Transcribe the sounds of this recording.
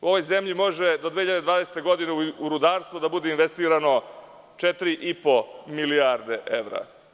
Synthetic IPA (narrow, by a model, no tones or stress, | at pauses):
uo̞ʋo̞jze̞mʎimo̞ʒed̪o̞d̪ʋeːçiʎad̪ed̪ʋaːd̪ese̥t̪eɡo̞d̪ineuɾud̪aːɾst̪vod̪abud̪einʋest̪iːɾano̞ | t͡ʃet̪ɾiʔipo̞miliaɾd̪e̞ʔeʋɾa̰